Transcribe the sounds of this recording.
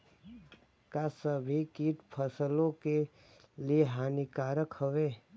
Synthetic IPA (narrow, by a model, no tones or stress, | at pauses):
kasəbʱikiːʈ̪pʰəsəlõke | lieɦaːnikaːɾəkhəʋeː